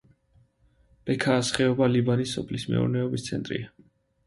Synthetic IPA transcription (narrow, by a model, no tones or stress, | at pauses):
b̥ɛkʰaːsχɛɔbalibanisɔpʰlismɛ̰ṵɾnɛɔbist̪sʰɛ̰nt̪ʼɾḭa